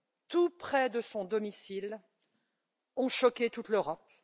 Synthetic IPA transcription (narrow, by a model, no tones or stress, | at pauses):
t̪upχɛd̪əsɔ̃d̪ɔmisil | ɔ̃ʃɔkʲet̪ut̪løʁɔp̚